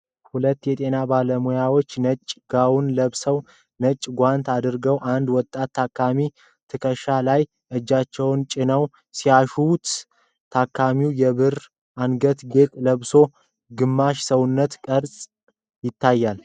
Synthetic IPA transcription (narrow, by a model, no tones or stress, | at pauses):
hulət̪ːjɛt̪ʼe̞nabaləmujawo̞t͡ʃːnət͡ʃʼɡ̥awunləβsəw | nət͡ʃʼːɡʷant̪ʰad̪ɨɾɡəwʔand̪wɔt̪ʼːat̪ʰːakʰːami | t̪ʰɨkʰəʃalaj | ʔɨd͡ʒːat͡ʃːɛwnt͡ʃʼɪnəw | siaʃut̪ʰ | akʰːamiwjɛβɨɾ | ʔanɡət̪ɡe̞t̪ʼləβso̞ | ɡɨmːaʃsəwʊnːət̪kʼəɾsʼ | jɪt̪ʰːajːal